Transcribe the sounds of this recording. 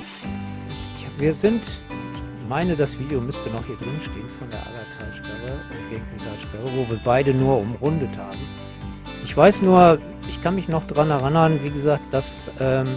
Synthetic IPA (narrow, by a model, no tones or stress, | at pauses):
çaviːɐzɪntɪç | maɪnədasv̥iːdjomʏstənɔχhiːɐdʁɪnʃteːənfɔndeːɐʔa̰batʰaːʃpɛʁəʊnɡ̥eŋkidaːʃpɛʁəvoːviːɐbaɪdənuːɐʊmʁʊndəthaːɡm̩ | ʔɪçv̥aɪsnuːɐ | ʔɪçkʰanmɪçnɔχd̥ʁanhɛʁ̞anhannviːɡəzaːk̚t̚d̥asʔɛːm